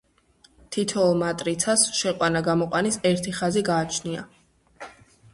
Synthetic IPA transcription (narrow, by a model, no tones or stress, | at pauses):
t̪ʰit̪ʰɔmat̪ʼɾit̪sʰasʃɛqʼwanaɡamɔqʼwanisɛɾt̪ʰiχaziɡaːt͡ʃʰnia̰